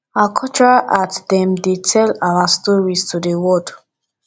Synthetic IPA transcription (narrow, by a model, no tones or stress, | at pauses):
akʰɔt͡ʃʰɹaʔatdɛ̃mdetʰɛlawastɔɹistʰudewɔd